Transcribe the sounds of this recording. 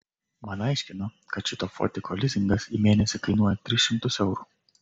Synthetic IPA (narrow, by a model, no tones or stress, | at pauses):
mɐnɐjʃʲkʲɪno | kɐt͡ʃɪt̪ɔfo̰t̪ʲɪkʰɔlʲɪzʲɪŋɡɐsimʲeɛnʲɛsʲɛkɐjnuːjɐt̪ʲɾʲɪsʃʲɪmt̪ʊsɛʊɾu